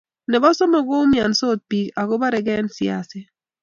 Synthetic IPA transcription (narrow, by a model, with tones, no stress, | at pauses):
nɛ˨ba˦sɔ˦mɔ˨ɡo˦mja˨nso˦˨t̪̚pi˨ka˨ɡo˦ba˦ɾɛ˨ɡɛ˦nsja̰˨sɪ˦